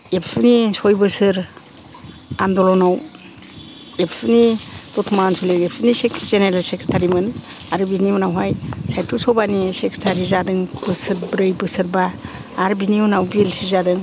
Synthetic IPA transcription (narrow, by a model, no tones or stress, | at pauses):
epʰunisɔjbɯsɯɾ | andɔlɔnaw | epʰunitɔtʰumansulekepʰunisekzeneɾelsekɾetʰaɾimɯnaɾɯbinimunawɦajsajtʰusɔbanisekɾetʰaɾizadɯŋb̥ɯsɯɾbɾɯjbɯsɯɾbaː | ɾbiniunawbilsizadɯŋ